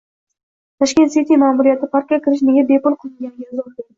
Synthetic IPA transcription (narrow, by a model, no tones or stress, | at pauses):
t̪ʰaʃkʲe̞nt̪set̪ijmaːmuɾijat̪ʰɪpʰaɾq̚ʲakʲɪɾɪʃne̞ɡʲabe̞pʊlˠqʰɨlˠɪŋɡʲanɡʲaɪzɒb̪o